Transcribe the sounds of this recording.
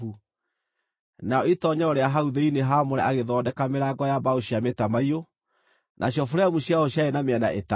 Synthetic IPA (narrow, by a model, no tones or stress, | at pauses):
u | naɔitɔɲaɔɾeaɦauðeineɦamoɾɛʔaɣeðɔːdɛkameɾaɡɔjabaoɕiametamaio | nʔaɕjɔfoɾɛmuɕjaɔɕjaenameanaʔeta